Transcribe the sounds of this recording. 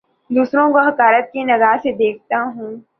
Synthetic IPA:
d̪uːsɾõkoɦɐkaːɾət̪̚kinɐɡaːsed̪eːk̚ʰt̪aɦũː

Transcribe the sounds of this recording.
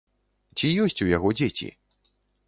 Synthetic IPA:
t͡sʲijɔsʲt͡sʲujaɣɔd͡zʲet͡sʲḭ

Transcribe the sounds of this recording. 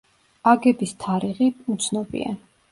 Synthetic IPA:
aɡɛbist̪ʰaɾiʁiut̪sʰnɔbḭa̰

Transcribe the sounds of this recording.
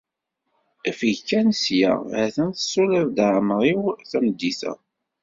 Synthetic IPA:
æfəjkːænsjæ̰ʕæθənθə̥sulævd̪ʕməʁiwθæməd̪ːiθæ̰

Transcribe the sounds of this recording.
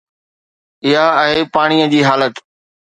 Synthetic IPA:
ɪɦaɛeːpaːɽ̃iːəd͡ʑiːɦaːlət̪

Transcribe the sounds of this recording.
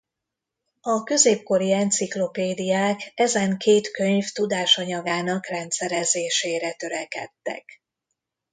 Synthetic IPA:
ɒkø̞zeːpko̞ɾiɛnt̪siklo̞peːd̪ijaːkɛzɛŋkʰeːt̪kø̞ɲft̪ud̪aːʃɒɲɒɡaːnɒkrɛnt̪sɛɾɛzeːʃeːɾɛt̪ø̞ɾɛkɛ̰t̪ːɛ̰k

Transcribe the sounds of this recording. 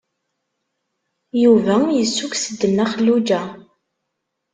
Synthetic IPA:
juvæjəsːuksəd̪ːənːæχəlːud͡ʒæ

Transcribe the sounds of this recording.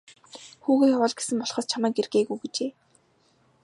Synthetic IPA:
xuːɣeːxawə̆ːɮɡesɘ̆mpɔɮχəːst͡ɕʰamæːɡerɡeːɣujɡet͡ɕeː

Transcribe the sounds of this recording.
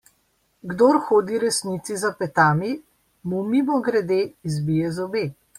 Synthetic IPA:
ɡd̪oɾxoːd̪iɾɛsnit̪sizapɛt̪aːmi | mumimɔɡɾɛd̪eːzbijɛzɔbeː

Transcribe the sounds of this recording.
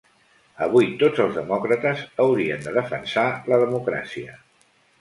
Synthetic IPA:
əβ̞ujt̪od͡zəlˠzðəmɔkɾət̪əzəwɾiə̰nd̪əðəfənsaləðəmukɾa̰siə

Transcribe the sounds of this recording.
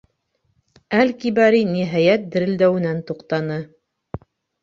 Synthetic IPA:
ælkibæɾiniɦæjæt̪̚d̪ɘ̆ɾɘ̆ld̪æwɘ̆nænt̪uqt̪ɑnɤ

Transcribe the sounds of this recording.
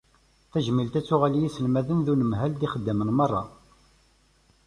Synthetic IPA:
θæʒəmːilt̪æt͡sːʊʁælijisəlmæðənðunəmɦæld̪iχəd̪ːəmənmɑrˤːɑ

